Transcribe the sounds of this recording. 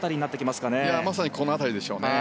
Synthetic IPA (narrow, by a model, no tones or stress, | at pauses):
t̪aɾʲiɲ̟inat̪ːekʲimasɨ̥kane̞jamasaɲ̟ikʰo̞noat̪aɾʲid̪e̞ɕo̞ːne